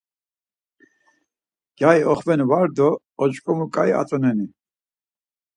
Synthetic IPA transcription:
ɡ̥jajɔχvɛnvaɾd̪ɔː | t͡ʃkʼɔmukʼaja̰t͡sʼɔnɛni

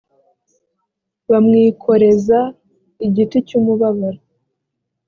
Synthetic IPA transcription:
βamŋiːkʰo̞ɾe̞za | iɟiticumuβaβaɾa

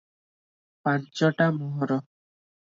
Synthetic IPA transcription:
pãnt͡ʃɔʈamɔɦɔɾɔ

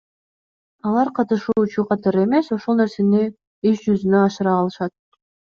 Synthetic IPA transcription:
ɑlˠɑɾqʰɑt̪ɯʃuːt͡ʃuqʰɑt̪ɑɾɯe̞me̞so̞ʃo̞lˠne̞ɾse̞ni | yʃd͡ʒyzynøɑʃɯɾɑːlˠɯʃɑt̪̚

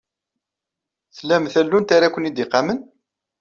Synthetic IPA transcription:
θlæmθælːunt̪aɾakʷənid̪ɪqːamən

